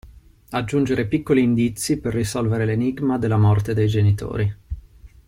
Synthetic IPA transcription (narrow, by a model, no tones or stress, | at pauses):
ad͡ʒːund͡ʒeɾepikːoliːnd̪it̪sːiperːisɔlveɾeleniɡmad̪elːamɔrt̪ed̪ejd͡ʒenit̪o̰ːɾi